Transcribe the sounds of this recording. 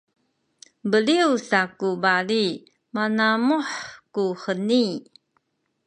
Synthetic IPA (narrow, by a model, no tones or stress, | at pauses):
bəliusakubaɭi | manamuħkuħəni